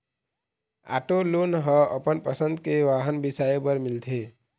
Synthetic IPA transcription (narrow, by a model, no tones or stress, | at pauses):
a̰ʈolonɦə̃əpənpəsənd̪keʋaɦənbisaepəɾmilt̪ʰe